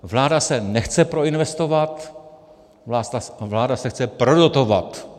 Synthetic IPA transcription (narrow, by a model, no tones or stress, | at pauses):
vlaːdasɛnɛxt͡sɛpɾo̞ɪnvɛst̪o̞vat̪ | vlaːdasɛxt͡sɛpɾodot̪o̞vat̪